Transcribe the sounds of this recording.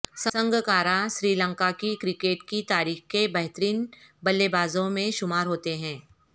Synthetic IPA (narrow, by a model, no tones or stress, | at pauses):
ssə̃ŋɡʱkaːɾaʃɾiːlə̃ŋkakikɾɪkeːʈkit̪aːɾiːxkebɐɦt̪əɾiːnbɐlːebaːzõmẽʃʊmaːɾɦoːt̪eɦɛ̃ː